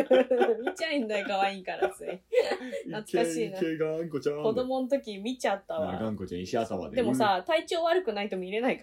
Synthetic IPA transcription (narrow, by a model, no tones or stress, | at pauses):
mʲit͡ɕaĩnd̪aikaβaikaɾasɨ | nat͡sɨkaɕiːneɡaŋkot͡ɕãko̞d̪o̞mo̞not̪̬o̞kʲimʲit͡ɕat̪ːaβa̰ɡãŋkot͡ɕã̰iɕiat̪ama̰d̪ed̪e̞mo̞sat̪ait͡ɕo̞ːβaɾɯ̟kɯ̟nait̪omiɾe̞naika